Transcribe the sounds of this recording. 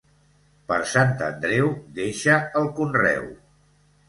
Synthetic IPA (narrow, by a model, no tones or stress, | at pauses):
pəɾsant̪ə̰nd̪ɾɛwd̪eʃəəlˠkunrɛ̰w